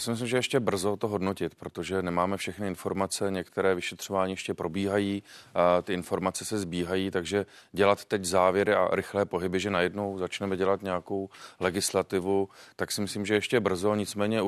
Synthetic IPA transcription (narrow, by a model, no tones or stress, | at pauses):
asɪmɪs̬limʒɛjɛʃcɛbr̩zo̞t̪oɦo̞dno̞cɪt̪pɾot̪oʒɛnɛmaːmɛfʃɛxnɪɪnfo̞ɾmat͡sɛɲɛkt̪ɛɾɛːvɪʃɛt̪r̝̥ovaːɲiːjɛʃcɛpɾʔo̞biːɦajiːt̪ɪɪnfo̞ɾmat͡sɛsɛzbiːɦajiːt̪aɡʒɛɟɛlat̪ːɛczaːvjɛɾɪʔa̰ɾɪxlɛːpo̞ɦɪbɪʒɛnajɛdno̞wzat͡ʃnɛmɛɟɛlat̪ɲɛjako̞wlɛɡɪslat̪ɪvut̪aksɪmɪslimʒɛjɛʃcɛbr̩zo̞ɲɪt͡smɛːɲɛ